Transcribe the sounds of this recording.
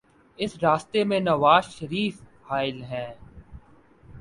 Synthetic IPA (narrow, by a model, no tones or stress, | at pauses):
ɪsɾaːst̪emẽnɐʋaːzʃəɾiːfhaːɪlɦɛ̃ː